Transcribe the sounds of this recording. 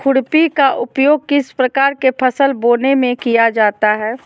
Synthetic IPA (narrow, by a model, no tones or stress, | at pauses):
kʰʊɽpikaʔʊpjoːɡ̚kɪspɾəkaːɾkepʰəsəlboːnemẽkijad͡ʒaːt̪aɦɛː